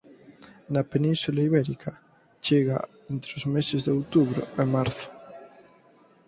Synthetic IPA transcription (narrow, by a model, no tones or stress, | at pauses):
napenĩnsulaiβɛɾikʰa | t͡ʃeɣa̰ | ent̪ɾeozmesezðeowt̪uβɾo̰emaɾθʊ̥